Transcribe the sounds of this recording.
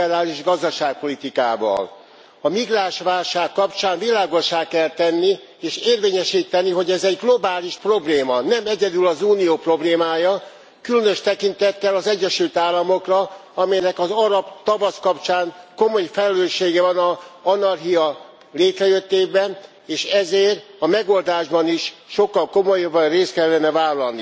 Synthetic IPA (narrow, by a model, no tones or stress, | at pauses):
ɛɾaːliʒɡɒzd̪ɒʃaːk̚po̞lit̪ika̰ːvɒ̰l | ɒmiɡraːʃʋaːlʃaːkːɒpt͡ʃaːnvilaːɡo̞ʃaːkɛlt̪ɛnːi | eːʃeːrveːɲɛʃiːt̪ɛniɦo̞ɟɛzɛɟɡlo̞baːliʃpro̞bleːmɒnɛmɛɟɛd̪ylɒzuːnijoːpro̞bleːmaːjɒ | kylønøʃt̪ɛkint̪ɛt̪ːɛlɒzɛɟːɛʃylt̪aːlːɒmo̞krɒ | ɒmɛjnɛkɒzɒɾɒbt̪ɒvɒskɒpt͡ʃaːŋko̞mo̞jfɛlɛløːʃːeːɡɛvɒnɒɒnɒrɦiɒ | leːt̪rɛjø̞t̪ːeːbɛn | eːʃɛzeːrɒmɛɡo̞ld̪aːʒbɒniʃʃo̞kːɒlko̞mo̞jɒbːɒnreːst̪kɛlːɛnɛvaːlːɒlni